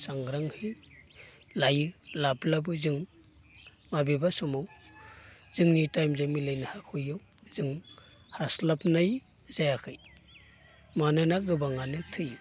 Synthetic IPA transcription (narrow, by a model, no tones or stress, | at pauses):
saŋɡɾaŋhi | lajɯlablabɯzɯŋ | mabibasɔmaw | z̥ɯŋnitajmzamilajnɯhakʰujɔ | zɯŋ | haslapnaj | zajakʰɯj | manɯnaɡɯbaŋanɯtʰɯj